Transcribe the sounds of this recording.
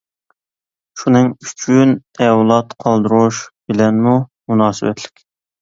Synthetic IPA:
ʃunɨŋyt͡ʃʰynɛwlˠɑt̪qʰɑlˠd̪ɨɾuʃb̥ɪlɛnmumunɑːsɨwɛ̰t̪ʰlɪ̥kʲ

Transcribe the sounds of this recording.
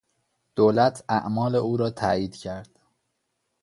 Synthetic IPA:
d̪̥oːlæt̪ʰæʔmɒːleʔuːɾɒːt̪ʰæːiːd̪cʰæɾd̪̥

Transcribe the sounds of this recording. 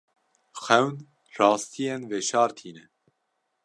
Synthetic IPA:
xɛwn | rɑːst̪ʰijenveːʃɑːɾt̪ʰiːnɛ

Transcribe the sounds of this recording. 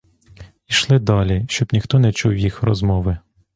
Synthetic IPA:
iʃlˠɪd̪ɑlʲiʃt͡ʃɔbnʲixt̪ɔnɛt͡ʃuwjixrɔzmɔʋɪ

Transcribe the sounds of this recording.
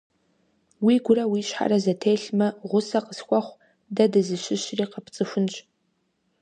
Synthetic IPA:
wiɡʷʊɾɐwiʃħa̰rɐzɐtʰeːɬmɐʁʷʊsɐqəskʷʰʼaχʷ | dɐdɨzɨʃɪʃriːqəpʰt͡sʼɨʃʷʊnt͡ʃʷʼ

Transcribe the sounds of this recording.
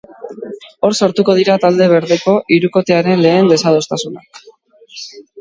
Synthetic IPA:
o̞ɾsoɾt̪uko̞ð̞iɾat̪ald̪e̞βe̞ɾðe̞ko̞ʔiɾuko̞t̪e̞aɾenle̞ːnd̪e̞sað̞o̞st̪asunak

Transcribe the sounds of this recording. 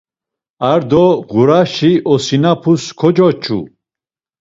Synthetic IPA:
aɾd̪ɔʁuɾaʃiʔɔsinapʰuskʰɔd͡ʒɔt͡ʃʰṵ

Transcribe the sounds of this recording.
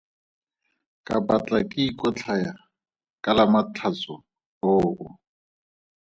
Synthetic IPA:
kʼabat͡ɬʼakʼɪikʼɔt͡ɬʰaja | kʼalamatʰat͡sʼʊ | oːʊ

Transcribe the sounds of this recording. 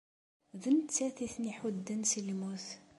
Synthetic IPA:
ðənt͡sːæθiθniħud̪ːənsilmuθ

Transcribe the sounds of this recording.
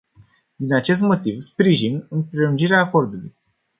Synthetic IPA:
d̪inat͡ʃe̞s̬t̪mo̞t̪ivspɾiʒinɨnpɾe̞lund͡ʒiɾeaːko̞rd̪ulṵj

